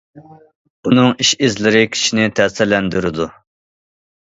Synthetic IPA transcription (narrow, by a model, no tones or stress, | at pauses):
unɨŋiʃɪzlɪɾɪkʲʰi̥ʃinɪt̪ʰɛsɪɾlɛnd̪yɾɪd̪u